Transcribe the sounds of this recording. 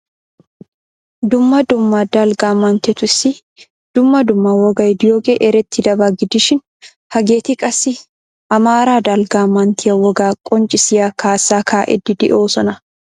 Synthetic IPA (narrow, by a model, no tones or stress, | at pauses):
d̪ʊmːɐd̪ʊmːaːd̪aːlɡaːmːant̪ɛt̪ʊɪsɪ | d̪̥ʊmːɐd̪ʊmːaːwɔɡɐjd̪ɪjoːɡeʔɛɾɛt̪ʰːɪd̪ɐbaɡɪd̪ɪʃɪn | hɐɡeːt̪ɪkʼɐsɪ | ɐmaːɾaːd̪aːlɡaːmaːnt̪ʰɪjɐwɔɡaːkʼɔnt͡ʃʼɪsɪjakʰaːsːaːkʰaːʔɛ̰d̪ːɪd̪ɪ̰ʔoːsɐnɐ